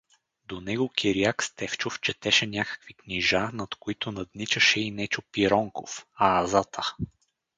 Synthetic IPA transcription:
d̪onɛɡokʰʲiɾiakst̪ɛft͡ʃoft͡ʃɛt̪ɛʃɛnʲjakə̥kvikniʒanɐt̪koit̪onɐd̪nit͡ʃəʃɛinɛt͡ʃopiɾɔŋko̰faːzat̪ʰə

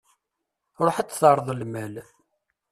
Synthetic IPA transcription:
ɾˤoħət͡s̪ːθɑɾˤðˤəlmæl

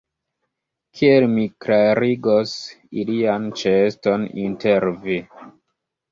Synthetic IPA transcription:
kʰielmiklaɾiɡosiliant͡ʃesto̞ninteɾvi

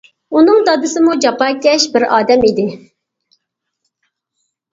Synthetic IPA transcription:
unɨŋd̪ɑd̪ɨsɨmud͡ʒɑpɑːkʲɛʃbɪɾɑ̰ːd̪ɛmid̪ɪ

